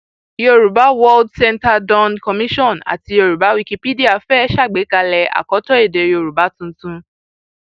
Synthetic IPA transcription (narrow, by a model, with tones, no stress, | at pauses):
i˨jo˧˨ɾu˨ba˨˦wɔ˧ldsɛ˧nta˧dɔ̃˧nkɔ˧mĩ˦ʃɔ̃˦˨na̰˨ti˧o˧˨ɾu˨ba˨˦wi˧ki˧pi˦di˦a˨fɛ˦ʃa˦˨ɡ͡be˨˦ka˧lɛ˧a̰˨kɔ˨˦tɔ˦e˦˨de˨jo˨ɾu˨ba˨˦tũ˦n̩˦tũ˦